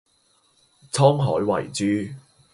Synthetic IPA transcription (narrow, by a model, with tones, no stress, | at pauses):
t͡sʰɔː˥ŋɦɔ̰ː˨˥jwɐ̰˨˩jt͡syː˧